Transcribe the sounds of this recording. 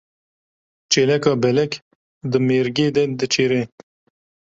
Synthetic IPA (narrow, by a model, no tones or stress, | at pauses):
t͡ʃelɐkɑbɛlɛk | d̪əmeɾɡeːd̪ɛd̪ət͡ʃeɾe